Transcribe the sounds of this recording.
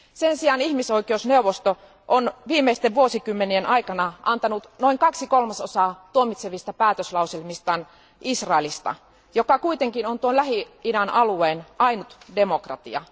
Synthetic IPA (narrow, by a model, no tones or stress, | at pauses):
sensiɑnihmiso̞ikeusneuwʋost̪o | ʔonʋiːmːeist̪eʋʋuosikymːenienʔɑikɑnɑʔɑ̰nt̪ɑnut̪noiŋkɑksikolmɑsosɑːt̪uomit̪seʋist̪ɑpæːt̪øslɑuselmist̪ɑːn | isrɑelist̪ɑ̰ | jokɑkuit̪eŋkinont̪uolæɦi | idænɑlueːnʔɑinut̪demokrɑ̰t̪ḭɑ̰